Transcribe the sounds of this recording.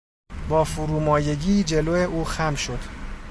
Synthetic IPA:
bɒːfuɾuːmɒːje̞ɟiːd͡ʒe̞loːeʔuːxæmʃo̞d̪̥

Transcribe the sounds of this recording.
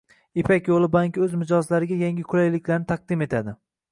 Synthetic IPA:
epʰakʲjolˠɪbaŋkʲɵzmɪd͡ʒɒzlaɾɪɡʲajaŋɡʲɪkʰʊlajlɪkʲlaɾnɪt̪ʰɑq̚d̪ɪme̞t̪ʰad̪ɪ

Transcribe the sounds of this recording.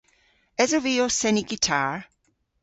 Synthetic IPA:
ɛzoviːosɛniɡitʰaɹ

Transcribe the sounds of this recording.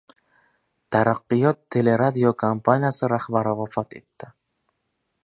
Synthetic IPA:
t̪ʰaɾaqːɨjɒt̪ʰːe̞le̞ɾad̪iokʰampʰanijasɪɾahbaɾɪvafat̪ʰe̞̰t̪ːɪ

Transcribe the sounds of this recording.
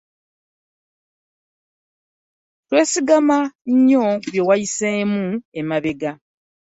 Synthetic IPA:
twe̞ːsiɡamaɲɲoβje̞wajiseːmuemaβe̞ɡa

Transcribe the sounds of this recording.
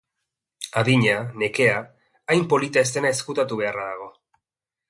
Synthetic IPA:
aðiɲane̞ke̞aː | jmpo̞lit̪eːst̪e̞naeskut̪at̪uβ̞e̞araðaɣ̞o̞

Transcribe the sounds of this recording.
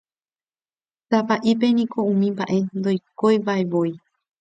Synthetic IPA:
sapaʔip̬e̞nĩko̞ũmĩmbaʔe̞nd̪o̞jkojbaeʋoj

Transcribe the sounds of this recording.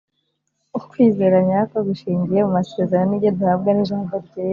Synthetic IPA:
ukwiːze̞ɾaɲako̞ɡiʃiːɲɟije̞mumaseːzaɾaniɟeduhavɡaniʒaːmboɾɟe

